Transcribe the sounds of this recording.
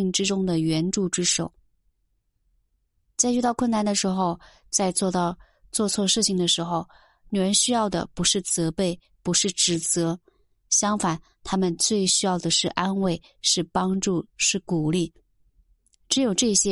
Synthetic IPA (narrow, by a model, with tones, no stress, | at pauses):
ŋʈ͡ʂɻ̩˥ʈ͡ʂʊ˥ŋd̪ə˨ɥɛ˧˥nʈ͡ʂu˥˧ʈ͡ʂɻ̩˥ʂo˨˩ʊ | t͡sa˥˧ɪt͡ɕy˥˧˩t̪ɑ˥˧ʊkʰwə˥˩na˥˩nd̪ə˩ʂɻ̩˧˥xo˧ʊ | t͡sa˥˧ɪt͡swɔ˥˧˥ | t͡swɔ˥˧t͡sʰwɔ˥˧ʂɻ̩˥˩t͡ɕʰi˨˩ŋd̪ə˩ʂɻ̩˧˥xo˧ʊ | ny˨˧˩ɻə˧˥nɕy˥jɑ˥˩ʊd̪ə̰˩pu˧˥ʂɻ̩˥˩t͡sɤ˧˥pe˥˩ɪ | pu˧˥ʂɻ̩˥˩ʈ͡ʂɻ̩˧˥t͡sɤ˧˥ | ɕjɑ˥ŋfa˨˩n | t̪ʰa˥mə˨nt͡swe˥˩ɪɕy˥jɑ˥˩ʊd̪ə˩ʂɻ̩˥˩ʔa˥nwe˥˧ɪ | ʂɻ̩˥˩pɑ˥ŋʈ͡ʂu˥˩ʂɻ̩˥˩ku˨˩li˥˩ | ʈ͡ʂɻ̩˧˥jo˨˩ʊʈ͡ʂɤ˥˩ɕjɛ˥